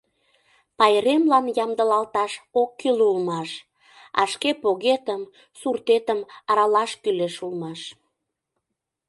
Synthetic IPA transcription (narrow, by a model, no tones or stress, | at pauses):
pɑjɾemlɑnjɑmd̪əlɑlt̪ɑʃokːylulmɑʃ | ɑ̰ʃkepoɣet̪əm | surt̪et̪əmɑɾɑlɑʃkyleʃulmɑʃ